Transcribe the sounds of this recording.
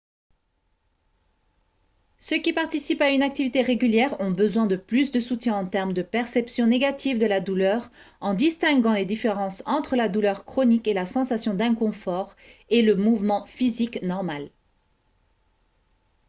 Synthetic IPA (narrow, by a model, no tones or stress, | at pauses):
søkʲipaʁt̪isipaynak̚t̪ivit̪eʁeɡʲyljɛʁɔ̃bəzwɛ̃d̪əplysd̪əsut̪jɛ̃ɑ̃t̪ɛʁmd̪əpɛʁsɛpsjɔ̃neɡat̪ʰivd̪əlad̪ulœʁ | ɑ̃d̪ist̪ɛ̃ɡɑ̃led̪ifeʁɑ̃sɑ̃t̪χəlad̪ulœʁkχɔnikelasɑ̃sasjɔ̃d̪ɛ̃kɔ̃fɔʁeləmuvmɑ̃fiziknɔʁmal